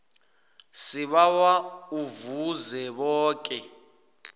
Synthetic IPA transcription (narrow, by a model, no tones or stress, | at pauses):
siɓawauvuzɛɓɔːk̬ʼɛ